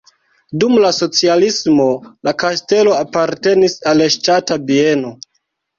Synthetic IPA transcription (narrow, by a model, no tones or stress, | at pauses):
dumlaso̞t͡sialismo̞lakaste̞lo̞apaɾte̞nisaleʃtatabie̞no̞